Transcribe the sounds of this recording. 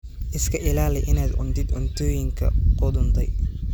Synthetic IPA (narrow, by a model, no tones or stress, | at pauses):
ʔɪskʰɐʔɪlaːlɛjʔɪnaːd̪ʊ̰nt̪ɪd̪ɔnt̪ʰɔːjɪŋkʰɐ̰qʊd̪ʊnt̪ʰɐj